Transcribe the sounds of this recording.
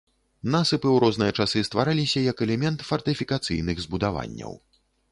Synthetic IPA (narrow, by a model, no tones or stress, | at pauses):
nasɨpɨwɾɔznɨjɐt͡ʂasɨst̪vaɾalʲisʲɐjɐkɛlʲɛmʲɛnt̪fɐrt̪ɨfʲikat̪sɨjnɨɣzbud̪ava̰nʲːɐ̰w